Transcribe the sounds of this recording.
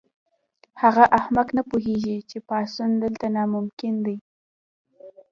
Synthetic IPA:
haɣaʔahmaknapuɦeʒit͡ʃepɑsund̪əlt̪anɑmʊmkɪnd̪aj

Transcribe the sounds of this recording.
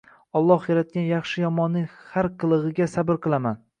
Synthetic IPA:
ɒlˠːɒhjaɾat̪̚kʲanjɑχʃɪjɒmɒnːɪŋhaɾqʰɨlˠɨʁɨɡʲasabɪɾqʰɨlˠaman

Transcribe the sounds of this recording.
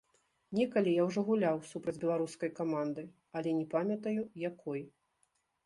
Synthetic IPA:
nʲɛkɐlʲijawʐɔɣulʲawsupɾɐd͡zʲbʲɛlˠaɾuskɐjkamand̪ɨ | ɐlʲɛnʲɛpamʲɐt̪ɐjujakʰɔj

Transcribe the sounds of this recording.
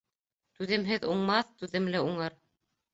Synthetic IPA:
t̪ʉðɘ̆mɦɘðuɴmɑθt̪ʉðɘ̆mlɘuɴɤɾ

